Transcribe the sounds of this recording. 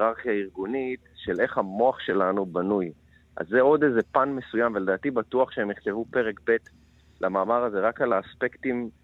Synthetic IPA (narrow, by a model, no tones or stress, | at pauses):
ʁaʁχijaiʁɡunit̪ʃele̞χhamoaχʃe̞lanubanuj | ʔa̰zːeo̞d̪e̞ze̞panmesujamveledaːt̪ibat̪uaχʃehemiχt̪evupe̞ʁekbet̪ | lʔamaːmaʁaze̞ʁakalaːspe̞kt̪im